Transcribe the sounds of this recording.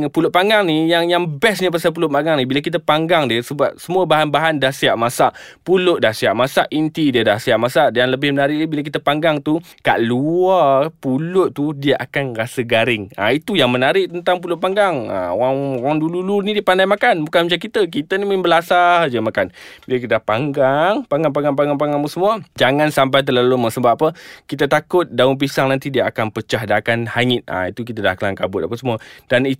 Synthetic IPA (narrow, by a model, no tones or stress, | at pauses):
pulʊʔ̪̚paŋɡaŋnijaŋjaŋbɛsɲapasalp̬ulʊʔ̚paŋɡaŋnĩbilakit̪̬əpaŋɡaŋdiəsəbap̚səmũəbaɦanbaɦandahsiaʔmasaʔpulʊʔ̚dahsiaʔmasaʔint̪idiədahsiaʔmasaʔdanləbɪhmənaɾɪʔdibilak̬it̪əpaŋɡaŋt̪uka̰ʔluarpulʊʔ̪̚t̪udiəʔakanrasəɡaɾɪŋa̰it̪ujaŋmənaɾɪʔ̚t̪ənt̪aŋp̬ulʊʔ̚paŋɡaŋa̰o̰aŋoɣaŋdululunidipandajmakanbukanmət͡ʃakit̪ək̬it̪ənimənbəlasad͡ʒəmakanbilak̬it̪əapaŋɡaŋpaŋɡaŋp̬aŋɡaŋp̬aŋɡaŋp̬aŋɡaŋpəsəmuad͡ʒaŋãnsamp̬ajt̪̬əlaluməŋsəmbaapəkit̪̬at̪akʊt̪̚daunp̬isaŋnant̪idiəakanpət͡ʃahdaakanhaŋɪt̪̚a̰it̪uk̬it̪ada̰hkəlaŋkabʊt̪̚apəsəmuad̥ani